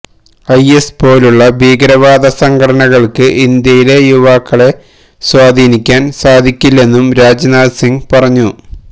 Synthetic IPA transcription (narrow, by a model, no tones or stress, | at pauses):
ɐjespo̞ːluɭːɐbʱiːɡɾɐʋaːd̪ɐsɐŋɡʰʱɐɽɐɳɐɣɐɭkɨʔind̪jɐjile̞juʋaːkːɐɭe̞ | swaːd̪ʱiːnikʲːaːnsaːd̪ʱikʲːilːe̞nːumɾaːd͡ʑnaːd̪siŋɡpɐrɐɲːu